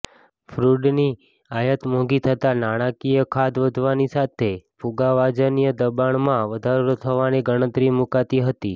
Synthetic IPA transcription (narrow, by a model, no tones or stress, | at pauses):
fɾuɖni | ajət̪mõɡit̪ʰət̪anaɽ̃akijəkʰad̪ʋəd̪ʱʋanisat̪ʰefuɡaʋad͡ʒənijəd̪əbaɳmãʋəd̪ʱaɾot̪ʰəʋaneɡəɽ̃ə̃t̪ɾimukat̪iɦət̪i